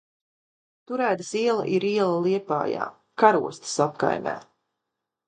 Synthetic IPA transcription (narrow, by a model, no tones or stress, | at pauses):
t̪uɾæːt̪ɨsiɛlˠa̰ʔiɾiɛlˠalˠiɛpa̰ːja̰ː | kaɾuɔst̪ə̥sapka̰jmʲæ̰ː